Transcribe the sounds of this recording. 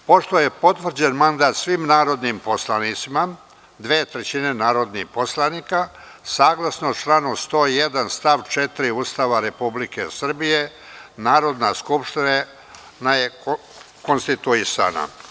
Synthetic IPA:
po̞ʃt̪oje̞po̞t̪ʋr̩d͡ʑenmand̪aːt̪sʋimnaːɾo̞d̪nimposlˠanit̪sima | d̪ʋeːt̪ɾet͡ɕine̞naːɾo̞d̪nihposlˠaniːka | saːɡlˠasnot͡ʃlanust̪o̞ːijed̪anst̪aʋt͡ʃet̪iɾiuːst̪aːʋaɾe̞publikḛsr̩bije̞ | naːɾo̞d̪naskupʃt̪ina | naje̞ | ko̞nst̪it̪uisa̰ːna̰

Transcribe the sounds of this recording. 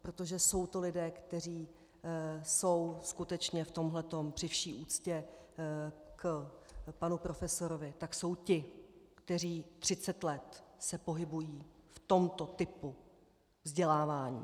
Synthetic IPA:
pɾot̪o̞ʒɛso̞wt̪o̞lɪdɛːkt̪ɛriː | so̞wskut̪ɛt͡ʃɲɛft̪o̞mɦlɛt̪o̞mpr̥ɪfʃiːʔuːt͡scɛ | k | panupɾo̞fɛso̞ɾovɪt̪akso̞wcɪkt̪ɛriːt̪r̝̥ɪt͡sɛt̪lɛt̪sɛpo̞ɦɪbujiːft̪o̞mt̪o̞t̪ɪpu | vzɟɛlaːvaːɲḭː

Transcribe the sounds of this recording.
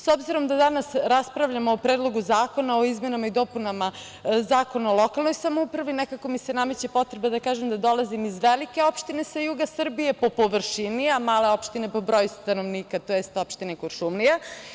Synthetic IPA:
sobziɾo̞md̪ad̪anasɾaspɾavʎamoːpɾed̪lˠo̞ɡuzaːko̞naoizme̞namaid̪o̞punama | zaːko̞naolˠo̞kalˠno̞jsamoupɾaʋinekako̞mise̞namet͡ɕepo̞t̪ɾebad̪akaːʒemd̪ad̪o̞lˠazimizʋelike̞o̞pʃt̪ine̞sajuɡasr̩bije̞po̞po̞ʋr̩ʃiniamaːle̞opʃt̪ine̞po̞bɾojust̪ano̞ʋniːkat̪ojest̪o̞pʃt̪inekorʃumnija

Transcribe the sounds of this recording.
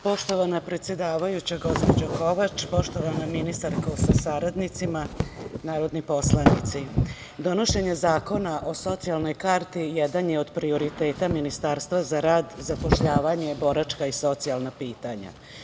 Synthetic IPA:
po̞ʃt̪o̞ʋanapɾe̞t̪sje̞d̪aːʋajut͡ɕaɡo̞zpod͡ʑoko̞ʋat͡ʃpo̞ʃt̪o̞ʋanaminist̪aɾkosasaɾad̪nit̪simanaːɾo̞d̪nipo̞slˠanḭt̪si | d̪o̞no̞ʃe̞ɲe̞zaːko̞naʔo̞so̞t̪sialˠno̞jkaɾt̪ijed̪anjeo̞d̪pɾio̞ɾit̪e̞ːt̪aminist̪aːɾst̪ʋazaɾaːd̪zapo̞ʃʎaːʋaɲe̞bo̞ɾat͡ʃkaiso̞t̪sijalˠnapiːt̪aɲa̰

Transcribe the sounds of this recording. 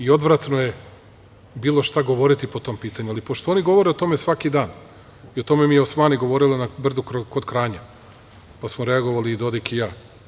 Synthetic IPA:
io̞d̪ʋɾat̪noje̞ | biːlˠo̞ʃt̪aɡo̞ʋo̞ɾit̪ipo̞t̪o̞ːmpiːt̪aɲualipoʃt̪o̞o̞niɡo̞ʋo̞ɾeot̪o̞me̞sʋakid̪aːn | io̞t̪o̞memijeosmaːniɡo̞ʋo̞ɾilinabr̩d̪ukɾokod̪kɾaːɲa | pasmoɾeaɡo̞ʋaliːd̪o̞d̪ikijaː

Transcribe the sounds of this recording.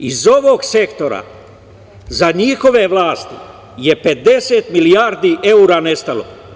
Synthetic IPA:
izo̞ʋo̞ɡse̞kt̪o̞ɾa̰ | zaɲiːxo̞ʋe̞ʋlaːst̪i | jepe̞d̪e̞seːt̪milijaːɾd̪iːʔe̞uɾaːne̞st̪alo̰

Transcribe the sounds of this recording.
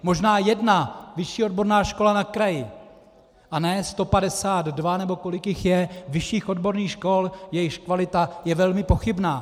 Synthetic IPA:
mo̞ʒnaːjɛdnavɪʃiːo̞d̚bo̞ɾnaːʃko̞lanakɾajɪ | ʔanɛst̪o̞padɛsaːd̪dvanɛbo̞ko̞lɪkjɪxjɛvɪʃiːxʔo̞dbo̞ɾniːxʃko̞ljɛjɪxkvalɪt̪ajɛvɛlmɪpo̞xɪbnaː

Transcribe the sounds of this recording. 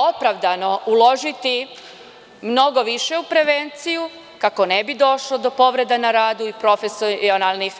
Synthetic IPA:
opɾaʋd̪ano̞ulˠo̞ʒit̪i | mno̞ɡo̞ʋiʃeupɾe̞ʋe̞nt̪siju | kako̞nebid̪o̞ʃlod̪o̞po̞ʋɾe̞d̪anaɾaːd̪uipɾo̞fesonalˠnix

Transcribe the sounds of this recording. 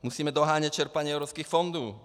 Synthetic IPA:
musiːmɛd̪ɔɦaːɲact͡ʃɛɾpaɲɛɛʊɾɔpskiːxfɔnd̪uː

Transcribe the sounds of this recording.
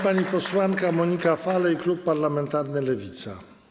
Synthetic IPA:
paɲipɔswaŋkamɔɲikafalɛiklupːaɾlamɛnt̪aɾnɘlɛvʲit̪sa̰

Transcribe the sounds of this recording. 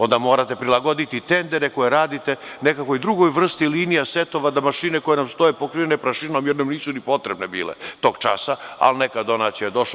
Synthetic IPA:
o̞nd̪amo̞ːɾat̪e̞pɾilˠaɡo̞d̪it̪it̪end̪eɾeko̞jeɾaːd̪it̪e̞nekakʋoid̪ɾuɡo̞jʋr̩st̪iliːnijaset̪o̞ʋad̪amaʃineko̞je̞namst̪o̞jepo̞kɾienepɾaʃino̞mjeɾnamniːsunipo̞t̪ɾebnebḭːlḛt̪o̞ːɡt͡ʃa̰saa̰lnekad̪o̞naːt̪sijajed̪o̞ʃ

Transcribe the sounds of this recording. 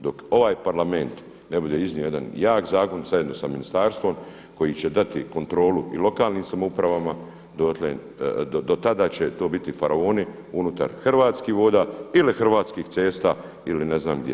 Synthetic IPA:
d̪o̞ko̞ʋaːjpaɾlame̞nt̪ | nebud̪eizniojed̪a̰njaːkzaːko̞nzaje̞d̪no̞saminist̪aːɾst̪ʋo̞m | ko̞jit͡ɕe̞d̪at̪iko̞nt̪ɾo̞ːluḭlo̞kaːlniːmsamoupɾaʋama | d̪ot̪len | d̪od̪o̞t̪ad̪aːt͡ɕet̪o̞ːbit̪ifaɾaoːni | unut̪a̰ɾxr̩ʋaːt̪skiːhʋo̞ːd̪aːilixr̩ʋaːt̪skiːht̪se̞ːst̪aː | iline̞znaːmɡd̪jḛ

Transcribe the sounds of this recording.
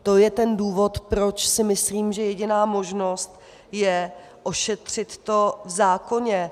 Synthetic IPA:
t̪o̞jɛt̪ɛnduːvo̞t̪pɾo̞t͡ʃsɪmɪsliːmʒɛjɛɟɪnaːmo̞ʒno̞st̪ | jɛ | ʔo̞ʃɛt̪r̝̥ɪt̪ːo̞vzaːko̞ɲɛ

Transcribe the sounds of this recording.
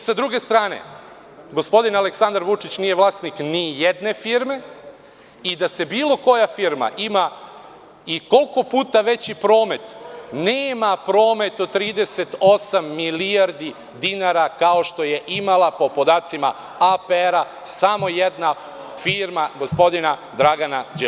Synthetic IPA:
sad̪ɾuɡe̞st̪ɾaːnḛ | ɡo̞spo̞d̪inale̞ksand̪aɾʋut͡ʂit͡ɕnijeʋlˠaːsniknijed̪ne̞fiɾme̞ | id̪ase̞biːlo̞ko̞jafiɾma̰ʔima | iko̞lko̞puːt̪aʋe̞t͡ɕipɾo̞ːme̞t̪neːmapɾo̞ːme̞t̪ot̪ɾiːd̪e̞se̞t̪o̞samːiliaɾd̪i | d̪inaɾakao̞ʃt̪o̞je̞ʔimalˠapo̞po̞d̪aːt̪sima̰ | apeeɾa | samo̞jed̪na | fiɾmaɡo̞spo̞d̪inad̪ɾaɡanad͡ʑe

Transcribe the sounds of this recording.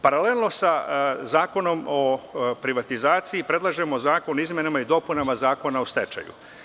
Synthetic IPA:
paɾale̞lˠno̞sazaːko̞no̞mopɾiʋat̪izaːt̪siipɾe̞d̪lˠaʒe̞mo̞zaːko̞nizmʲje̞namaid̪o̞punamazaːko̞naost̪e̞t͡ʃa̰jṵ

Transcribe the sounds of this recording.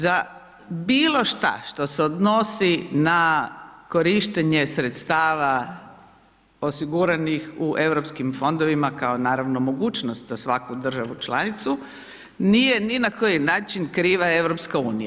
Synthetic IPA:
za | biːlˠo̞ʃt̪a̰ʃt̪o̞seod̪no̞sinako̞ɾiʃt̪eɲe̞sɾet̪st̪aːʋa | o̞siɡuɾanixuʔe̞ʋɾopskimfo̞nd̪oʋimakaonaːɾaʋno̞mo̞ɡuːt͡ʃnost̪zasʋakud̪r̩ʒaʋut͡ʃla̰nit̪su | nije̞ninako̞jinaːt͡ʃinkɾiːʋae̞ʋɾo̞pskaṵːnija

